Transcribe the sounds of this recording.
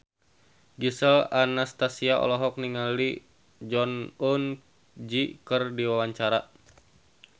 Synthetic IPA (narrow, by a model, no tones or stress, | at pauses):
ɡisəlanast̪asiaʔɔ̰lɔɦɔk̚niŋali | d͡ʒɔnun | d͡ʒikərdiwawaɲt͡ʃaɾa